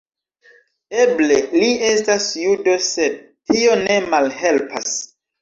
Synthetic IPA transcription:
eble̞liestasjudosed̚ | tio̞ne̞malhe̞lpʰa̰s

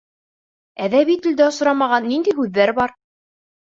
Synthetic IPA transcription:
æðæβit̪ɘ̆ld̪æŏsŏɾɑmɑʁɑnːind̪ijɦʉðːæɾbɑɾ

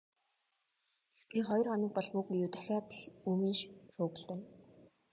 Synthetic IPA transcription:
piχɔj̆rχɔnɪ̆k̚pɔɮpʊkijuːt̪æ̥xʲaːpɮuːmiːnʃʃʊːɣɘ̆ɮt̪ĕːn

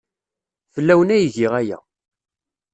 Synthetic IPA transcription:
fəlːæwənæjʝiʁæjæ̰

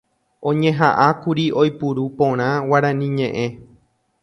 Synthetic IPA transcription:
õ̞ɲẽ̞ɦaʔakuɾiʔo̞jpuɾupõ̞ɾ̃ãwaɾãnĩɲẽ̞ʔẽ̞

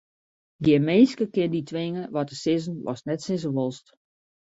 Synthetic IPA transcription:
ɡimeːnskəkɪnditʰʋɪŋəʋɔtəsɪzən̩ʋɔ̰snɛtsɪs̬əʋolˠst

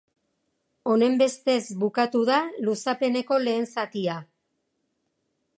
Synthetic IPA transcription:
o̞ne̞mbe̞st̪e̞zbukat̪uðalusape̞ne̞ko̞le̞ːnsat̪ia

